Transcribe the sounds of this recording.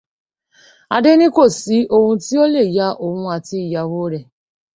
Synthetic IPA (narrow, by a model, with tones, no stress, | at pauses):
a̰˨dɪ˦nɪ˦kʷo˦˨si˨˦ʔo˦wʊ̃˨˦ti˦o˦le˦˨ja˦ʔo˨wʊ̃˦a˨ti˦˨ja˨wo˦ɾe˨